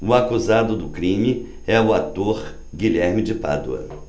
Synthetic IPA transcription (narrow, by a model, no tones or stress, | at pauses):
ʊakuzad̪ʊd̪ʊkɾĩmɪ | ɛʊat̪oɾ | ɡiʎɛɾmɪd͡ʒɪpa̰d̪ʊɐ̰